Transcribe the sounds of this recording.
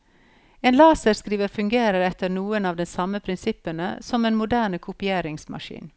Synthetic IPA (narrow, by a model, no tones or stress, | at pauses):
eːnlɑːsəɾskɾiːʋəfʉŋɡeːɾəɾɛt̪əɾnuːənɑːʋd̪ɛnsɑməpʰɾɪnsɪpənə̰sɔmeːnmʊd̪æːɳəkʰʊpɪeːɾɪŋsmɑ̰ʃḭːn